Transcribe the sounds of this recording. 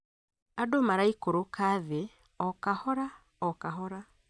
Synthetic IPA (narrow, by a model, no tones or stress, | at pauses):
adomaɾaikoɾokaðe | ɔkahɔɾa | ɔkaɦɔɾa